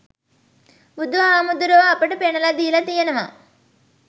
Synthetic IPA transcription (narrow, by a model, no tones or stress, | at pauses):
ud̪ʋɐaːmud̪uɾoːɐpːɐʈupɛɳɐlɐd̪iːlɐt̪ijɐnɐmɐ̰